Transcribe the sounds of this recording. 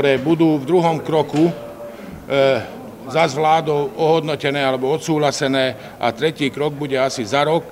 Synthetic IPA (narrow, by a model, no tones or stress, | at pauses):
ɾɛːbud̪uːvd̪ɾuɦɔmkɾɔku | zazʋlaːd̪ɔʊɔɦɔd̪nɔcɛnɛːalɛbɔɔt̪suːɦlasɛnɛː | ʔa̰t̪ɾɛciːkɾɔɡ̚buɟɛasizaɾɔk